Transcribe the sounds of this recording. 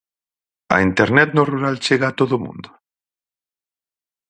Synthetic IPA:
ɐ̰int̪eɾnɛt̪noruɾalt͡ʃeɣaːt̪oðomṵ̃nd̪o

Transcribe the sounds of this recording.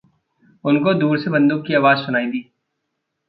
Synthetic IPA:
ʊnkod̪uːɾsebɐ̃nd̪ʊkːiaːʋaːzsʊnaːid̪iː

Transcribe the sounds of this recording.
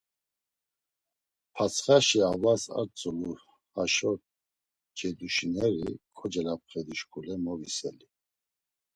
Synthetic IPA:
pʰat͡sʰχaʃiavasa̰ɾt͡sʼulu | haʃɔ | d͡ʒɛd̪uʃinɛɾḭkʰɔd͡ʒɛlap̚χɛd̪iʃkʰulɛmɔvisɛli

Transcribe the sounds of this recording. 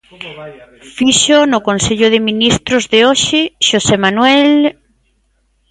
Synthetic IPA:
fiʃonʊkonseʎʊðɪminist̪ɾʊzðeoʃɪʃosemanwɛl

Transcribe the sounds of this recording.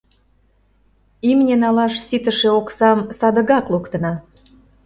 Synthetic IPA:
imnʲenɑlɑʃsit̪ə̆ʃeoksɑmsɑd̪ə̆ɣɑklokt̪ə̆nɑ

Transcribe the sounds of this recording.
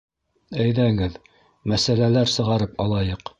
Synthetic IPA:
æjðæŋɘð | mæsælælæɾsɤ̆ʁɑɾɤpɑlˠɑjɤq

